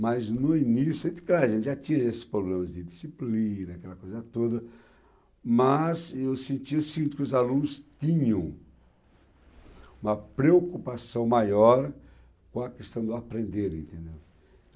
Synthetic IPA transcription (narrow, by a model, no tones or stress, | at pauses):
mɐznʊinisjʊɐẽt̪ɪ̥klaɐʒẽnɪʒat̪ĩɲɐesɪ̥spɾoblẽmɐzd̪ɪd̪isiplĩnɐakɛlɐkojzɐt̪od̪ɐ | mɐzewsẽnt͡ʃ̪iʊsiɡĩt̪ɪkɪʊzalũnʊst̪ĩɲɐ̃w̃ | ũmɐpɾeokupasɐ̃w̃majɔɾ | kõɐkest̪ɐ̃w̃d̪ʊapɾẽnd̪eɾḛ̃nt̪ẽnd̪ew